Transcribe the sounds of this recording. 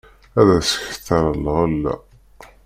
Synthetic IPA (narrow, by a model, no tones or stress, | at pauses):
æðæsə̥ç̥θəɾˤəlːəʁælːæ̰